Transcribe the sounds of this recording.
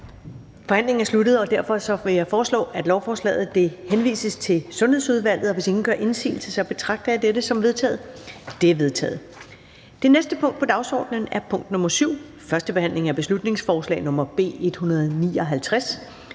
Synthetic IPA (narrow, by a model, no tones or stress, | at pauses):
fɒ̽hæn̰le̝ŋ̩æɐsludð̩ˠɒ̽d̥æɐfɒ̽sɒ̽ʋe̝jɑ̈ɪfɒːslɔ̰ːʔæd̥lɒʊfɒːslɛ̰ːð̩ˠd̥e̝henʋḭːsəst͡sʰe̝lsɔ̽nhe̝ð̰ˠsuð̞ˠʋæl̰ð̩ˠɒʋe̝se̝ŋn̩ɡ̥ɶɐʔe̝nsḭːl̩səsɑb̥e̝t͡sʰʁɑ̈ɡ̥̚d̥ɐæd̥eɾəsɒ̽mʋe̝ð̞ˠt͡sʰɛ̰ːð̩ˠd̥e̝æɐʋe̝ðˠt͡sʰɛ̰ːð̩ˠ | d̥e̝nesd̥əpʰɔ̽ŋ̰d̥pʰɒ̽d̥ɑ̈ʊsɒ̰ːd̥nən̩æɐpʰɔ̽ŋ̰d̥nɔ̽mɐsyʊ̰ | fɶɐsd̥əb̥e̝hæn̰le̝ŋæɐb̥e̝slud̥ne̝ŋsfɒːslɛ̰ɪnɔ̽mɐb̥e̝̰ːe̝d̥hunɐð̞̩ˠnḭːɒ̽ɦælt͡sʰʁas